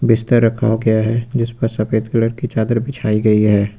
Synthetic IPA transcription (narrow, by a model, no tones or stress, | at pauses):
bɪst̪əɾːɐkʰa̰ɦoɡɐjaɦɛd͡ʒɪspəɾsɐfeːd̪kələɾkit͡ʃaːd̪əɾbɪt͡ʃʰaːiɡɐiɦɛː